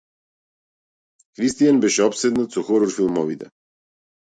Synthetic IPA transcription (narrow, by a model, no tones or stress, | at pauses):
xɾist̪ijanbɛʃɛɔpsɛd̪nat̪sɔxɔɾɔɾfilˠmɔvit̪ɛ